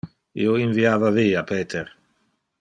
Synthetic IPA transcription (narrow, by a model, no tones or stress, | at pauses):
ḭːoinviaːvaviːapeːt̪ʰeɾ